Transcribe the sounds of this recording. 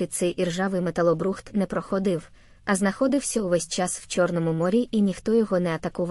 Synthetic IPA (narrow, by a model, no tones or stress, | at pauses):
id̪̚sɛjirʒɑʋɪjmet̪ɐlˠɔbɾuxt̪nɛpɾɔxɔd̪ɪw | ɐznɐxɔd̪ɪwsʲɐʊʋɛsʲt͡ʃɑsw̥t͡ʃɔrnɔmʊmɔɾʲiʔinʲixt̪ɔjɔɦɔnɛɐt̪ɐkʊʋ